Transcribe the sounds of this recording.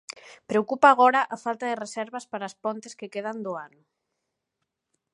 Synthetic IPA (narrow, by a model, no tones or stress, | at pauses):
pɾeokupaːɣɔɾɐʔafalt̪ɐðɪresɛɾβɐspaɾaːspɔnt̪ɪskekeð̞and̪ʊanʊ